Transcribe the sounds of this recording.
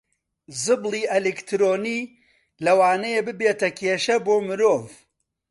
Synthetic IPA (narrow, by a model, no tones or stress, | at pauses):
zɨblˠiːelekt̪ʰɾoːniː | lɐwaːnɐjebɨbeːt̪ɐkʰeːʃɐboːmɨɾoːv